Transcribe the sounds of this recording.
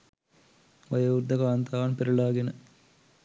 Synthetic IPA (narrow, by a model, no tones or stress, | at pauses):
ʋɐjɐurd̪ɐkaːnt̪aːnpeɾuɭaːɡinɨ